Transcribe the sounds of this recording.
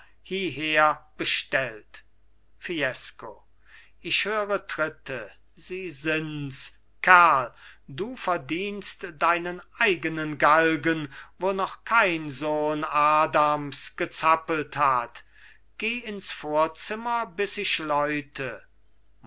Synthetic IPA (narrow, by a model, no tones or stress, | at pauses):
hiːɦeːɐb̥əʃtɛlt | fiɛsko | ɪʃhøːʁətʁɪtʰə | ziːzɪns | kʰaɐlduːfɛɐdiːnstd̥aɪnənʔaɪɡənənɡalɡənvoːnɔχkʰaɪnzoːnaːdamsɡ̥ət͡sapəl̩that | ɡ̥eːɪnsfoːɐt͡sɪmɐbɪsɪʃlɔʏtʰə